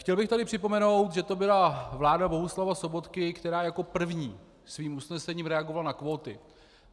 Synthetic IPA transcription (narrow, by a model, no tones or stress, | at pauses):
xcɛlbɪxt̪adɪpr̥ɪpo̞mɛno̞wt̪ʒɛt̪o̞bɪlavlaːdabo̞ɦuslavaso̞bo̞t̪kɪkt̪ɛɾaːjako̞pr̩vɲiː | sviːmusnɛsɛɲiːmɾɛaɡovalanakvo̞ːt̪ɪ